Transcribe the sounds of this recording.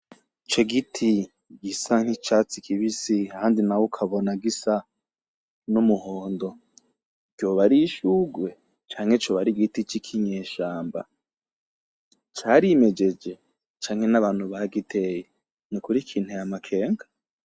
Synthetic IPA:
t͡ʃeɡitʰi | ɡisaŋ̥hit͡ʃat͡sikʰiβisiahaːndinawokʰaβonaɡisa | numuhoːndo̞ | ɡ̥jo̞ːβaɾiʃuɡwe̞ | t͡ʃaːŋ̥het͡ʃoːβaɾiɡitit͡ʃikʰiɲeːʃaːmba̰ | t͡ʃaːɾime̞d͡ʒe̞d͡ʒe̞ | t͡ʃaːŋhe̞naβaːn̥huβaaɡitʰe̞je | nikuɾikʰiːn̥ujamakʰe̞ːŋɡa

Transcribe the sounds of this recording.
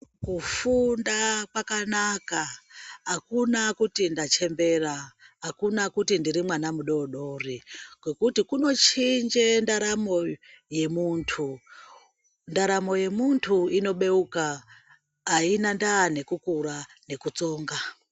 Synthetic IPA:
kufundakwakanakaakunakutindat͡ʃe̞mbe̞raakunakutindiɾimwanamuɗo̞ɗo̞riɡ̥we̞kutikuno̞t͡ʃind͡ʒendaɾamo̞je̞muntʰu | ndaɾamo̞je̞muntʰuino̞ɓe̞ukaː | inandaːne̞kukuɾa | ne̞kut͡so̞ːŋɡa

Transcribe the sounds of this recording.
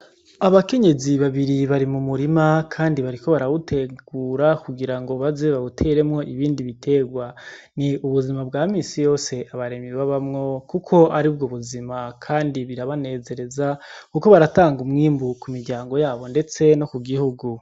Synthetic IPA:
aβake̞ɲe̞ziβaβiɾiβaɾimumuɾimakʰaːndiβaɾiko̞βaɾawutʰe̞ɡ̥uːɾakuɡiɾaŋɡo̞βazeβawutʰe̞ɾe̞mŋo̞ʔiβiːndiβitʰe̞ːɡwaniuβuzimabɡaːmiːnsijo̞ːse̞ʔaβaɾe̞miwaβamŋo̞kukʰo̞aɾib̚ɡoβuzimakʰaːndiβiɾaβane̞ːze̞ɾe̞zakuko̞βaɾataːŋɡumŋiːmbukumiɾɟaːŋɡo̞jaːβo̞nde̞t͡se̞no̞kuɡihuɡu

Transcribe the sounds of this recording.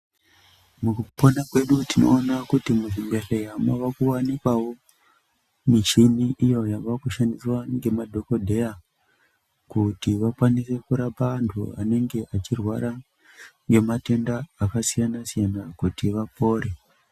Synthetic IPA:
mukupo̞nakwe̞ɗutino̞̰ːnakutimuzimbe̞ɬejamaʋakuwanikwawo̞ | mit͡ʃiniʔijo̞jaakuʃandiswaŋɡe̞madʱo̞ko̞dʱe̞ja | kutiʋakwanise̞kuɾapantʰṵa̰ne̞ŋɡe̞ʔat͡ʃirwaɾa | ŋɡe̞mate̞ndaːkasijanasijanakutiʋapo̞ːɾe

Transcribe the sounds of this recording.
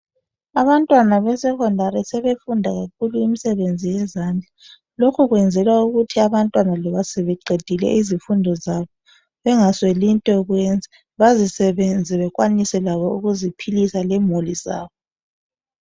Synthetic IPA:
aβantʼwanaβɛsɛɣɔndʱaɾɛsɛβefundʱaɣakʰuluimisɛβend͡zʱijɛzaːnd͡ɮʱa | lokʰuɣwɛnd͡zʱɛlwauɣutʰiaβantʼwanalɔβasɛβɛǃʱed̥ʱilɛ̰ʔizifundʱɔzaβɔ | βɛŋaswelintʼɛuɣwɛnd͡zʱa | βazisɛβend͡zʱiβɛɣwanisɛlaβɔuɣuzipʰilisalɛmoliza̰ːβɔ

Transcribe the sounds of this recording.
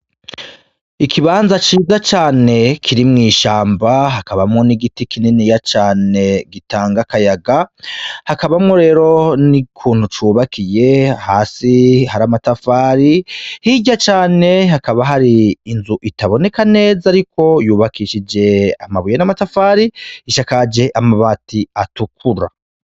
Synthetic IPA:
ikiβaːnzat͡ʃiːzat͡ʃaːne̞kʰiɾimŋiːʃaːmbaɦakaβamŋo̞niɡitikʰininijat͡ʃaːne̞ɡitʰaːŋɡakajaɡahakaβamŋoɾe̞ːɾo̞nikʰuːn̥hut͡ʃuːβakʰije̞haːsihaɾamatafaːɾihiɟat͡ʃaːne̞hakaβaɦaɾiːnzuʔitaβo̞ne̞kane̞ːzaɾiko̞juːβakiʃid͡ʒe̞a̰maβujenamatafaːɾiiʃakad͡ʒe̞ʔamaβaːtiatukʰuɾa̰

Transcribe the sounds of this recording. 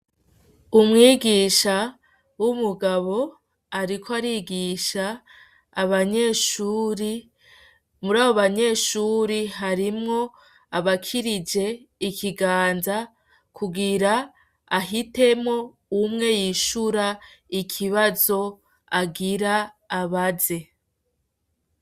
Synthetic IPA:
umŋiːɡiːʃa | wumuɡaβo̞ | aɾikʰoaɾiːɡiʃaː | βaɲe̞ːʃuːɾi | muɾaːβoβaɲe̞ːʃuːɾiɦaɾimŋo̞ | aβakʰiɾid͡ʒe̞ | ikiɡaːnza | kʰuɡiɾa | aɦite̞mŋo̞ | umŋe̞jiʃuɾaikʰiβazo̞ | aɡiɾaː | βaze̞

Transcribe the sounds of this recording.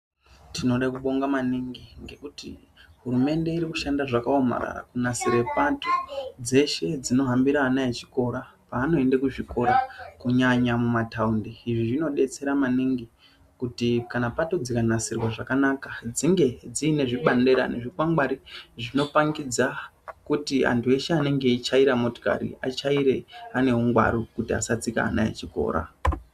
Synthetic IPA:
tʰino̞ɗakuɓo̞ŋɡamaniŋɡiŋɡe̞kutḭ | ɦuɾume̞nde̞iɾikuʃandaʐakaoma̰ɾa̰ɾa̰kunasiɾepatod͡ze̞ʃe̞d͡zino̞ɦambiɾaːnaet͡ʃi̥ko̞ɾapaːno̞e̞ndekuʐiko̞ɾakuɲaɲamumataundiiʐiʐino̞ɗe̞t͡se̞ɾamaniŋɡi | kutikanapato̞d͡zikanasirwaʐakanakad͡ziŋɡe̞d͡ziːne̞ʐiɓande̞ɾa̰ne̞̰ʐikwaŋɡwaɾiʐino̞paŋɡid͡za | kutia̰ntʰue̞ʃeane̞ŋɡe̞it͡ʃaiɾamo̞to̥ka̰ɾḭa̰t͡ʃaiɾe̞ane̞uŋɡwa̰ɾokutia̰sat͡sika̰a̰na̰ḛt͡ʃiko̞̰ːɾa̰

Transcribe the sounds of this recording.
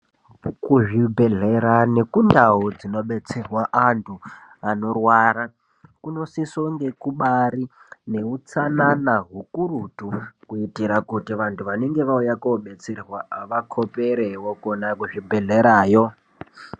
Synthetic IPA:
kuʐibʱe̞ɮeɾane̞kundaud͡zino̞ɓet͡serwaʔantʰuano̞rwaɾa | kuno̞sisoŋɡe̞kuɓaɾi | ne̞ut͡sananaɦukuɾutukuitiɾakutiʋantʰuʋaneŋɡe̞ʋaujakoɓet͡serwaːʋakʰopeɾewokonakuʐibʱeɮeɾaːjo

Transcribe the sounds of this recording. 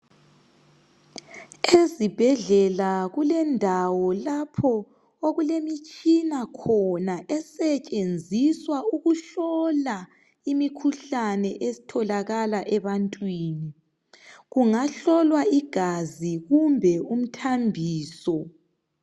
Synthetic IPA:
ezib̥ʱɛɮɛlaɣulɛndʱawɔlapʰɔ | oɣulemit͡ʃʼinakʰɔnaʔɛsɛt͡ʃʼend͡zʱiswauɣuɬɔla | imikʰuɬanɛʔesi̥tʰɔlaɣalaʔɛβantʼwiːni | ɣuŋaɬɔlwaiɡ̥ʱaziɣumbʱɛum̩tʰambʱiːsɔ

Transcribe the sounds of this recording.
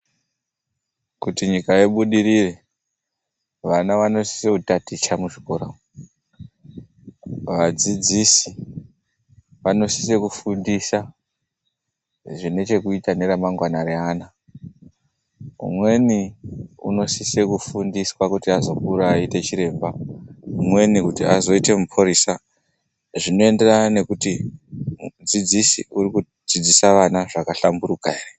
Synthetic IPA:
kutiɲikaeɓuɗiɾire̞ | ʋanaʋano̞si̥seutatit͡ʃamuʐiko̞ːɾa | ʋad͡zid͡zisi̥ | ʋano̞si̥se̞kufundisa | ʐine̞t͡ʃe̞kuitane̞ɾamaŋɡwanaɾeaːna | ṵmwe̞niṵno̞sise̞kufundiswakutiazo̞kuɾaːite̞t͡ʃiɾe̞ːmbaumwe̞nikutiazo̞ite̞mupʰoɾisa | ʐino̞e̞nde̞raane̞kutiud͡zid͡zisiuɾiku | d͡zid͡zisaʋanaʐakaɬambuɾukare

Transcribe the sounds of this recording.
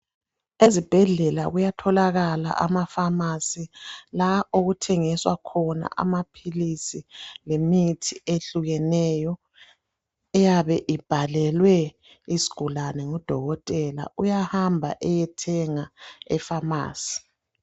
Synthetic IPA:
ezib̥ʱɛɮɛla̰ɣujatʰɔlaɣala̰ʔa̰mafamasilaoɣutʰɛŋiswakʰɔna̰ʔa̰mapʰilisilemitʰieɬuɣɛnɛjɔ | ɛjaβɛʔib̥ʱalɛlwɛ | isi̥ɡ̥ʱulanɛŋɔd̥ʱɔɣɔtʼɛla̰ujahambʱa̰ʔɛjɛtʰɛŋaɛfama̰ːsi̥

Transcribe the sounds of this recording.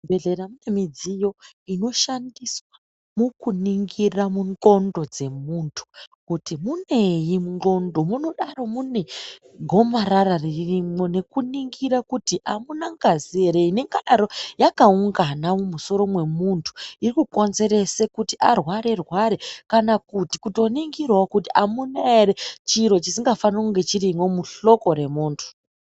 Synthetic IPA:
beɮeɾamunemid͡zijo̞ | ino̞ʃandiswa | mukuniŋɡiramunɡo̞ndo̞d͡ze̞muntʰu̥kutimune̞jimuɡo̞ndo̞muno̞ɗaro̞mune̞ | ɡʱo̞maɾarariririmo̞ne̞kuniŋɡiɾakutiʔamunaŋɡazieɾeine̞ŋɡaɗaɾo̞jakauŋɡanamumuso̞ɾo̞mwe̞muntʰu̥irikuko̞nze̞ɾe̞sekutiʔarwaɾe̞rwaɾekanakutikuto̞niŋɡirwakutiʔamunaeɾet͡ʃiɾo̞t͡ʃisiŋɡafankuŋɡe̞t͡ʃiɾimwo̞muɬo̞ko̞ɾe̞muːntʰu̥

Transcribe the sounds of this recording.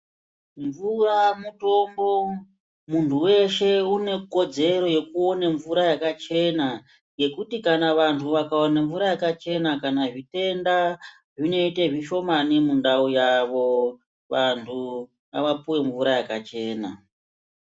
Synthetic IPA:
ɱvuramuto̞mbo̞ | muntʰuwe̞ʃe̞une̞ko̞d͡ze̞ɾo̞je̞kuo̞naɱvuɾajakat͡ʃe̞na | je̞kutikanaʋantʰuʋakaonaɱvuɾajakat͡ʃe̞nakanaʐite̞nda | ʐino̞iteʐiʃo̞manemundaujaʋo̞ | ʋantʰu | a̰ʋapuwe̞ɱvuɾajakat͡ʃe̞ːna̰

